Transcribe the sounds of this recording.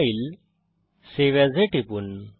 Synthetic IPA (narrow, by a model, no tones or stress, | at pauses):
iːl | seʋad͡zʱeʈipun